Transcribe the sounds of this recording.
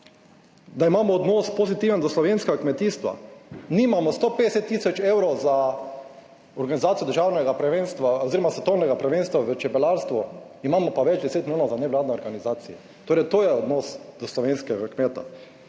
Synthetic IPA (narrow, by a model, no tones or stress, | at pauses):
d̪aimaːmɔːd̪nospozit̪iʋənd̪ɔslɔʋenskɛɡakmɛt̪iːst̪ʋa̰nimamɔst̪opeːd̪ɛsɛt̪ːiːsɔt͡ʃewɾɔza | ɔɾɡanizaːt̪ijɔd̪əɾʒaːwnɛɡapɾɛʋenst̪ʋaoziɾɔmasʋɛt̪ownɛɡapɾɛʋeːnst̪ʋaʋət͡ʃɛpɛlaɾst̪ʋɔ | imaːmɔpaʋɛd͡ʒd̪ɛseːt̪mloːnɔwzanɛʋlaːd̪nɛɔɾɡanizaːt̪siɛ | t̪oːɾɛt̪oːjɛɔd̪nɔsd̪̥ɔslɔʋenskɛɡakmeːt̪a̰